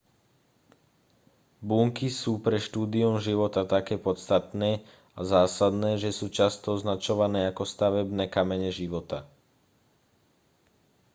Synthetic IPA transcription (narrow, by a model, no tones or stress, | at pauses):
buːŋkisuːpɾɛʃt̪uːd̪iumʒiʋɔt̪at̪akɛːpɔst̪at̪nɛː | azaːsad̪nɛːʒɛsuːt͡ʃast̪ɔɔznat͡ʃɔʋanɛːakɔst̪aʋɛbnɛːkamɛɲɛʒiʋɔt̪a